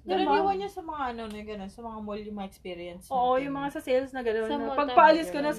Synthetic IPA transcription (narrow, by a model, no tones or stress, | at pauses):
d̪ɐɾɐmiwɐnɲɐsɐmɐŋaʔɐno̞noɡɐno̞nsɐmɐŋamolʊmɐɛkspiːɾɪɛnsoːʔojʊŋmɐŋasɐsɛlsnɐɡɐnonpɐɡ̚pɐʔɐlɪskɐnɐ